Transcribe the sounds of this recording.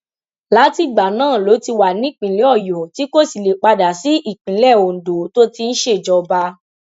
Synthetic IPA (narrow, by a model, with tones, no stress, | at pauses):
la˨˦ti˦˨ɡ͡ba˨nãː˦˨lo˨˦ti˧wa˨nĩ˨˦˨k͡pĩ˨lɛ˨˦ɔ˦˨jɔ˨ti˨˦ko˦˨si˨le˨k͡pa˧da˨si˨˦i˦˨k͡pĩ˨˦lɛ˦˨o˨n̩˨do˨˦to˦ti˧n̩˦ʃe˦˨d͡ʒɔ˧ba˧˦